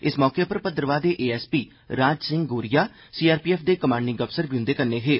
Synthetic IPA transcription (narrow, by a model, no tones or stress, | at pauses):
ɪsmɔːkeːpəɾpət̪əɾəʋaːd̪eːʔeːɛːspiː | ɾaːd͡ʒsɪ̃ŋɡɡoːɾijaː | siːaːɾpiːɛːpʰd̪eːkəmaːɳɖɪ̃ŋɡəpsəɾbiʊ̃nd̪eːkəɾneːɦeː